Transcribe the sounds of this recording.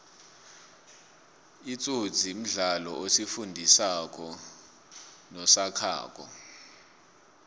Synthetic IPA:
it͡sʼu̥d͡zʱim̩ɮalɔ̰ʔosifundʱisak̬ʼɔ | nɔsakʰa̰ːk̬ʼɔ̰

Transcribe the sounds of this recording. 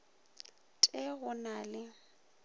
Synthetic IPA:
tʼɛɣʊnaːlɪ

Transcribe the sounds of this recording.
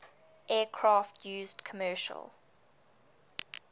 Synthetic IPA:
ʔɛːkʰɹɑːˑftʰjʉːzdkʰəmɜːʃə̰lˠ

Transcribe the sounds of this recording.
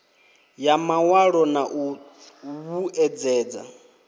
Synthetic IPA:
jamawaɺɔnaʔu | βuʔɛd͡zɛːd͡za̰

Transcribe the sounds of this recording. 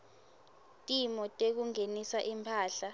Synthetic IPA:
tʼimɔtʼek̬uŋenisaʔimpʰaːɬa

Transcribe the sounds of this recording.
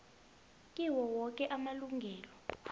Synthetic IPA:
kʼiwɔwɔk̬ʼɛʔamaluŋɡʱɛːlɔ

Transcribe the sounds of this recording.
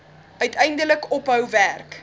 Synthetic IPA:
ʔœɥtʰɛjndələkɔpɦœwværk

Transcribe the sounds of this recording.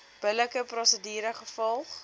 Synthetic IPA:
b̥ələkəprɔsədiːɾəχəfɔlˠχ

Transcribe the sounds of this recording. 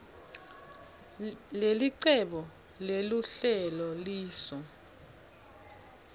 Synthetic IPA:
leliǀɛɓɔ | leluɬɛlɔliːsɔ

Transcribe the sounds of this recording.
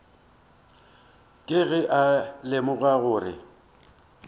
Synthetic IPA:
kʼɪɣɪʔalɪmʊɣaɣʊːrɪ̰

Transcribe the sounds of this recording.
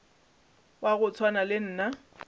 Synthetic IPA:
waɣʊt͡sʰwanalɪn̩ːna

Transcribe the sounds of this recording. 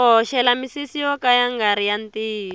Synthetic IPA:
ɔʃɛlamisisiɔkajaŋɡaɾijantiː

